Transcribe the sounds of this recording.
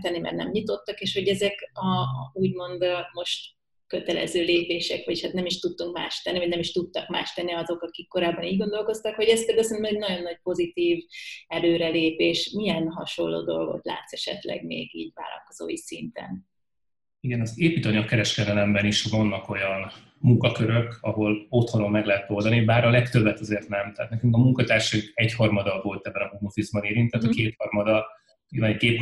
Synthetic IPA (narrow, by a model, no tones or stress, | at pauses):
t̪ɛnːimɛ̰rnɛ̰mɲit̪o̞t̪ːɒkeːʃho̞ɟɛzɛkɒuːɟmo̞nd̪mo̞ʃt̪ | køt̪ɛlɛ̰zøːleːpeːʃɛkʋɒchat̪nɛmiʃt̪ut̪ːuŋkma̰ːʃt̪ɛnːivɒɟnɛmiʃt̪ut̪ːɒkmaːʃt̪ɛnːiɒzo̞kɒkikːo̞ɾaːbːɒniːɟɡo̞nd̪o̞lko̞st̪ɒkho̞ɟɛst̪ɛɡøsɛnmzɛɟnɒɟo̞nːɒc̚po̞zit̪iːvɛløːɾɛleːpeːʃmijɛnɦɒʃo̞lːo̰ːd̪o̞lɡo̞̰t̪la̰ːt̪sɛʃɛ̰t̪lɛ̰ɡmḛːɡiːɟva̰ːlɒ̰lko̞zo̰ːjisint̪ɛ̰n | iɡɛnɒzeːpiːt̪ɒɲɒkːɛɾɛʃkɛd̪ɛlɛmbɛniʃvɒnːɒko̞jɒn | muŋkɒkøɾø̞kɒɦo̞lo̞t̪honommɛɡlɛɦɛt̪o̞ld̪ɒnibaːɾɒlɛkt̪ø̞bːɛt̪ɒzeːrt̪nɛmt̪ɛɦːt̪nɛkyŋkɒmuŋkɒt̪aːrʃiɡɛchɒrmɒd̪ɒvo̞lt̪ɛbːɛnɒmumufizbɒneːɾint̪ɛːt̪ɒkeːt̪hɒrmɒd̪ɒ | ivaikeːp